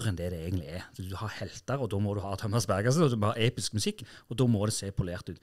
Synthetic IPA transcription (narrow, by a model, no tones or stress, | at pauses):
ʁɛnd̪ɛd̪ɛeːɡənlɪɛd̪hɑhɛlt̪əɾɔd̪ɔːmɔd̪ʉhɑːt̪ʰɔmɑsbæɾɡəsənɔd̪ʉmɔhɑːeːpɪskmʉsɪkːɔd̪oːmɔd̪ɛseːpʰʊleːʁt̪ʉːt̪